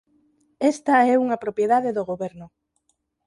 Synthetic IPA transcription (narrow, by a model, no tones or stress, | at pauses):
ɛst̪ɐɛuŋɐpɾopjeðaðeðoɣoβɛɾnʊ